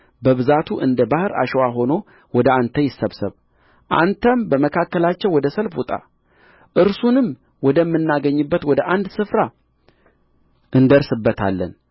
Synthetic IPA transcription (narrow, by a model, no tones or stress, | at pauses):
bəβɨzat̪ʰuʔɨnd̪əbahɨɾa̰ʃɛwaɦo̞no̞ | wɔd̪əant̪ʰəjɪsːəβsɨβ | ʔa̰nt̪ʰəmbəməkʰakːəlat͡ʃːɛwwɔd̪əsəlfut̪ʼa̰ | ʔɨɾsunɨm | wɔd̪əmːɨnːaɡəɲːɨbːət̪wɔd̪əʔand̪sɨfɾa | ʔɨnd̪əɾsɨbːət̪ʰa̰lːə̰n